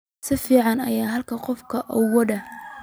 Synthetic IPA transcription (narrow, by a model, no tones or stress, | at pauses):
sɪfiːʕɑnɐ̰jaːɦɐlkʰɐqɔfkʰɐʔɔwɐd̪ɐ